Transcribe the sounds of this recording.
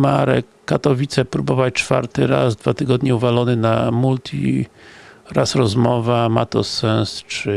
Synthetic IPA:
maɾɛ̰kːat̪ɔvʲit̪sɛpɾubɔvat͡ɕt͡ʂfa̰ɾt̪ɘɾa̰zd̪vat̪ɘɡɔd̪ɲɛuvalɔnɘnamult̪ʰʲḭ | ɾasɾɔzmɔvama̰t̪ɔsɛñst͡ʂɘ

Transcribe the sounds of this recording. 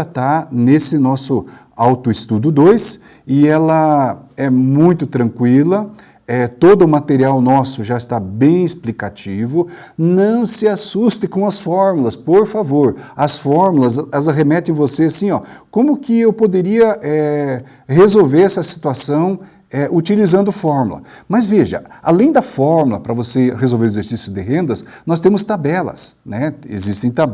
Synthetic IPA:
at̪anesɪnɔsʊ | awt̪ʊɪst̪ud̪ʊd̪ojs | ɪɛlɐɛmũj̃t̪ʊt̪ɾɐ̃ŋkwilɐ | ɛt̪od̪ʊːmat̪eɾiawnɔsʊʒaɪst̪abẽj̃ɪsplikat͡ʃivʊnɐ̃w̃sɪasust̪ɪkõw̃ɐsfɔɾmulɐspoɾfavoɾɐsfɔɾmulɐzɛlzɦemɛt̪ẽj̃voseasĩɔkõmʊkɪewpod̪eɾiɐʔɛ | hezowveɾɛsɐsi̥t̪uasɐ̃w̃ | ɛʔut͡ʃilizɐ̃nd̪ʊfɔɾmṵlɐ̰mɐzveʒɐ̰a̰lẽj̃d̪ɐfɔɾmulɐpɾɐvosehezowveɾezeɾsisjʊd̪ɪɦẽnd̪ɐs | nɔst̪ẽmʊst̪abɛlɐ̰snɛḛzist̪ẽj̃t̪a

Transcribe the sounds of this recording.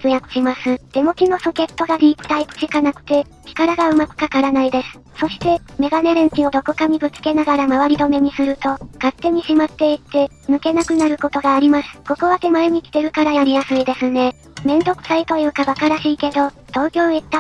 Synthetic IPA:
t͡sɨjakɯ̟̥ɕimasɨd̪̥e̞mo̞kʲino̞so̞ke̞t̪ːo̞ɡaɾʲiːpɯ̟̥t̪aipɯ̟̥t͡ɕikanakɯ̟̥t̪e̞ | kʲi̥kaɾaɡaɯ̟makɯ̟̥kakaɾanaid̪e̞sɨ̥ | so̞ɕi̥t̪e̞me̞ɡane̞ɾẽɲ̟kʲio̞d̪o̞ko̞kaɲʲibɯ̟t͡sɨ̥ke̞naɡaɾamaβaɾʲid̪o̞me̞ɲ̟isɨɾɯ̟t̪o̞kat̪ːe̞ɲ̟iɕimat̪ːe̞it̪ːe̞ | mɯ̟ke̞nakɯ̟naɾɯ̟ko̞t̪o̞ɡaːɾʲimasɨ̥ko̞ko̞βat̪e̞maeɲ̟ikʲi̥t̪e̞ɾɯ̟kaɾajaɾʲijasɨid̪e̞sɨne̞ | mẽ̞nd̪o̞kɯ̟̥sait̪o̞jɯ̟ːkaβakaɾaɕiːke̞d̪o̞d̪̥o̞ːkʲo̞ːit̪ːa

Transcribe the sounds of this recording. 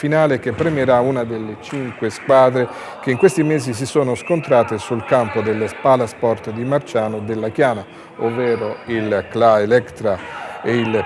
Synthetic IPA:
finaːlek̟epːɾemeɾaunad̪elːet͡ʃiŋkweskwaːd̪ɾe | k̟eiŋkwest̪imeːzis̬isoːnoskont̪ɾaːt̪esulkampod̪elːspalaspɔrt̪d̪imart͡ʃaːnod̪elːak̟jaːna | ovːɛːɾoilklaelɛkt̪ɾaeil

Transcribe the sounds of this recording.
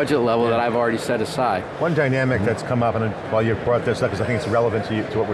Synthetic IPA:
ʌd͡ʒɨtˡlɛvl̩ˠðəɾaɪvl̩ˠɹɛɾisɛɾɨsaɪ̥wʌ̃ndaɪnæmɨk̚ðɨtskʰʌ̃mʌpə̃nɨ | vælˠjʉʌ̥kʰɔɹt̪̚ðɨsʌkʰʌzaɪθɪ̃ŋɪtsɹɛlˠəvɨ̃ntʰɨtʰəwʌt̚wə

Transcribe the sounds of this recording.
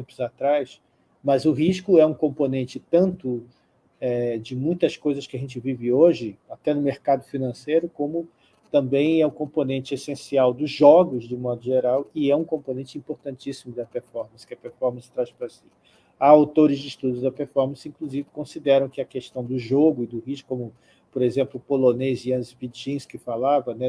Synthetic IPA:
ẽmpʊzat̪ɾajs | mɐzʊɦiʃkʊɛũkõmponẽnt͡ʃɪt̪ɐ̃nt̪ʊ | ɛd͡ʒɪmũj̃t̪ɐskojzɐskɪɐʒẽnt͡ʃɪvivɪoʒɪat̪ɛnʊmeɾkad̪ʊfinɐ̃sejɾʊkõmʊ | t̪ɐ̃mbẽj̃ɛʊkõmponẽnt͡ʃɪesẽsiawd̪ʊzʒɔɡʊzd͡ʒɪmɔd̪ʊʒeɾawɪɛũkõmpõnẽnt͡ʃɪĩpoɾt̪ɐ̃nt͡ʃisimʊd̪ɐpeɾfɔɾmɐ̃sɪ̥kɪɐpeɾfɔɾmɐ̃sɪ̥t̪ɾaspɾɐsi̥ | aawt̪oɾɪzd͡ʒɪiʃt̪ud̪ʊd̪ɐpeɾfɔɾmɐ̃sɪĩŋkluzivɪkõsid̪ɛɾɐ̃w̃kɪɐkeʃt̪ɐ̃w̃d̪ʊʒoɡʊɪd̪ʊhiʃʊ̥kõmʊ | poɾezẽmplʊpoloneziɐ̃zviʒĩskɪfalavɐnɛ

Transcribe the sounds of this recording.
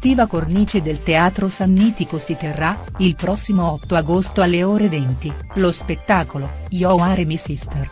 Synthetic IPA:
t̪iːvakorniːt͡ʃed̪elt̪eaːt̪ɾosanːiːt̪ikosit̪erːa | ilpɾɔsːimoɔt̪ːoaɡost̪oalːeoːɾevɛnt̪i | lospet̪ːaːkolo | jɔwaɾemisist̪er

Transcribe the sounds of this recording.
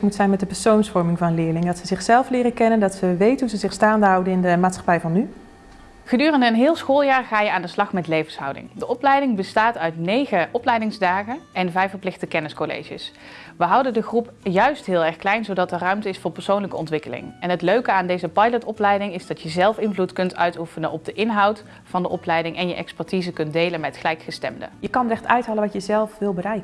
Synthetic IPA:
mutsɛjnmɛtdəpɛɹsownsfɔɹmɪŋvɑnənlɪːɹlɪŋədɑtsəzɪχsɛlˠflɪːrəkɛnəndɑtsəʋejtəɦuzəzɪχstaːndəɦɑwdənɪndəmaːtsχɑ̥pɛjvɑnːy | χədyːrəndəːnɦɪːlˠsxoːlˠjaːɹχaːjəaːndəslɑχmɛtlejvənsɦʌ̰wdɪ̰ŋdəʔɔplɛjdɪŋbəstaːtœɥtnejɣəʔɔplɛjdɪŋzdaːχənɛnvɛjfəɹplɪxtəkɛnɪskolḛjʒə̰s | ʋəɦɑwdəndəχrup | jœɥstɦɪːlˠɛɹxklɛjnzowdɑtərœɥmtəɪsfʊːɹpəɹsownləkəɔntʋɪkəlɪ̰ŋɛnɦətløɥkəaːndejzəpɑjlətɔplɛjdɪŋɪzdɑtjəzɛlˠfɪnvlutkɵntœ̰ɥtufənənʔɔb̚dəʔɪnɦɑwt | fɑndəʔɔplɛjdɪŋʔɛnjəʔɛ̰kspɛɹtizəkɵntdejlənmɛtχəlɛjkχəstɛ̰mdə̰jəkɑnrɛxtœɥtɦaːləʋɑtjəzɛlˠfʋɪlˠbəɾɛjk

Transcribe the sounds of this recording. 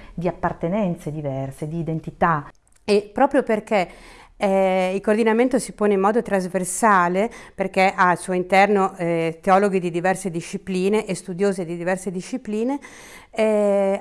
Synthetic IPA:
d̪iapːart̪enɛnt̪sed̪ivɛrsed̪iːd̪ent̪it̪a | epɾɔːpɾjoperkeɛilkoːrd̪inament̪osipoːneimːɔːd̪ot̪ɾazversaːleperkeʔalsuːoint̪ɛrnoɛt̪eɔloɡid̪id̪ivɛrsed̪iʃːipliːneʔest̪ud̪joːzed̪id̪ivɛrsed̪iʃːipliːne | ɛ

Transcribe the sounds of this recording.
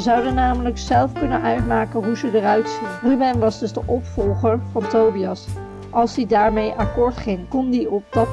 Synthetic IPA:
əzɑwdənːaːmələksɛlˠfkɵnənʔœɥtmaːkənɦuzədərœɥtsinrybɛnʋɑzdɵzdəʔɔpfɔlˠχəɹvɑntowbiɑs | ʔɑlˠzdidaːɹmejʔɑkʊːɹtχɪŋkɔndiɔp̚dɑt

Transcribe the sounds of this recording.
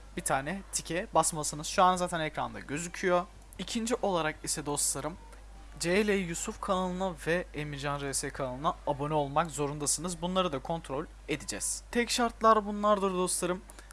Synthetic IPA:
b̥it̪ʰaːnɛt̪ʰicʰɛbasmasɯnɯzʃuanazaːt̪ʰænecɾa̰nd̪a̰ɟø̞zycʰyjo̞ | icʰind͡ʒiʔo̞lˠaɾakisɛd̪o̞slˠaɾɯm | d͡ʒelʲejijusufkʰanˠɯnavɛemiɾd͡ʒanɾesɛkʰanˠɯnaabo̞nio̞lˠmakzo̞ɾund̪asɯnɯzbunlˠaɾɯd̪akʰo̞nt̪ʰɾo̞lʲ | e̞d̪id͡ʒɛ̰z̥t̪ʰɛcʃaɾt̪lˠaɾbunlˠaɾd̪ɯɾd̪o̞slˠaɾɯm

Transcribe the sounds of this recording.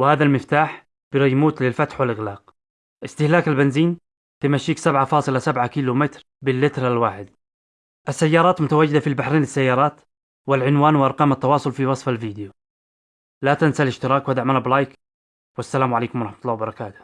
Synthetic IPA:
wɪhaːðalmɪft̪aːħ | b̥ɪɾijmuːt̪lɪlfat̪ħwɪlʔɪɣlɑːq | ʔɪst̪ɪhlaːkalbɪnziːn | t̪ɪmaʃːiːksabʕafɑːsˤɨlasabʕakiːlumɪt̪ɾ | bɪlːɪt̪ɾalwaːħɪd̪ | ʔasːajːɑːɾˤɑːt̪mʊt̪awaːd͡ʒːɪd̪afilbaħɾiːnlɪsːajːɑːɾˤɑːt̪ | wɪlʕɪnwaːnwɪʔɑɾˤqɑːmat̪ːɑwɑːsˤʊlfiwɑsˤfalviːd̪ɪju | lat̪ansalɪʃt̪ɪɾˤɑːkwɪd̪aʕmanablaːjk | wasːalaːmʕaleːkʊmwɑˤɾˤɑħmat̪ʊlˤːɑːwɪbɑɾˤɑkaːt̪ʊ̥

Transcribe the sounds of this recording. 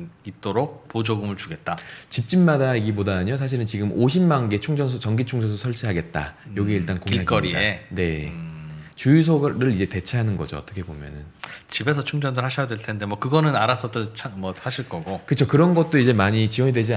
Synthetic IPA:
it̚t͈oɾok̚pod͡ʑoɡɯmɯɭt͡ɕuɡe̞t̚t͈at͡ɕip̚t͡ɕ͈inmadaiɡibodaɲos̬ʰaɕ̬ʰiɾɯnt͡ɕiɡɯmʔoɕʰimːanɡe̞t͡ɕʰuŋd͡ʑʌns̬ʰʌt͡ɕʌŋɡit͡ɕʰuŋd͡ʑʌns̬ʰosʰʌɭt͡ɕʰiɦaɡe̞t̚t͈a̰jʌɡie̞iɭt͈ankoŋiaɡk͈ʌɾiene̞ | t͡ɕujus̬ʰoɾɯɾid͡ʑe̞te̞t͡ɕʰeɦanɯnɡʌd͡ʑo̰ʌt͈ʌkʰe̞bomjʌ̰nɯ̰nt͡ɕibe̞s̬ʰʌt͡ɕʰuŋd͡ʑʌndɯɭhaɕʰʌjadweɭtʰende̞mwʌkɯɡʌnɯnaɾas͈ʰʌdɯɭt͡ɕʰamwʌhaɕʰiɭk͈ʌɡokɯt͡ɕʰokɯɾʌnɡʌt̚t͈oid͡ʑe̞maɲit͡ɕiwʌɲidwe̞d͡ʑi

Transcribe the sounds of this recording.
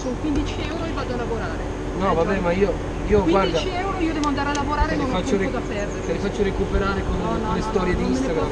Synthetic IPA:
soːnokwind̪it͡ʃiɛwɾoevːaːd̪oalːavoɾaːɾe | nɔvabɛmaiːo | iːoɡɡwadiat͡ʃiɛwɾoiːod̪ɛːvoand̪aɾealːavoɾaːɾenfat͡ʃːoɾt̪apɛrd̪eɾelifat͡ʃːoɾekupeɾaːɾekon | lːest̪ɔːɾjed̪iinst̪aɡɾam

